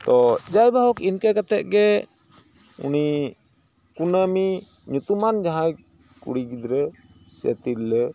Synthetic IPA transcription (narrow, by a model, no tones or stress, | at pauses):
t̪ɔd͡ʒajbaɦɔkinkɛkat̪ɛt̪̚ɡɛ | ṵni | kunəmi | ɲut̪umand͡ʒaɦaj | kṵɽiɡid̪ɾɛ | sɛ̰t̪iɾlɛ